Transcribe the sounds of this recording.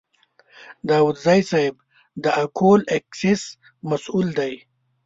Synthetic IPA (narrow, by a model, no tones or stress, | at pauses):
d̪aːwud̪zajsaɪb | d̪əʔakʰolekses | mɐsuld̪aj